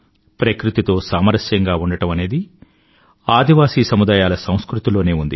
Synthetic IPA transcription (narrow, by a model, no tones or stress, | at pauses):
pɾɐkɾut̪it̪o̞ːsaːmɐɾɐsjɐŋɡaːuɳɖɐʈɐmɐne̞ːd̪i | aːd̪ʱiʋaːsiːsɐmud̪aːjaːlɐsɐ̃w̃skɾut̪ilo̞ːne̞ːund̪i